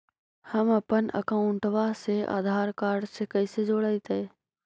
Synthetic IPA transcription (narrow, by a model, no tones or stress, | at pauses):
həmɐpənə̰kãʊ̃ɳʈʰʋaseʔa̰ːd̪ʱaːɾkaːɾɖsekəised͡ʒoːɽəit̪ə